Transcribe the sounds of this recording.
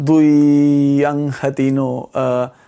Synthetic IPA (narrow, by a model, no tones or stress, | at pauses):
d̪uj | aŋhɐt̪ino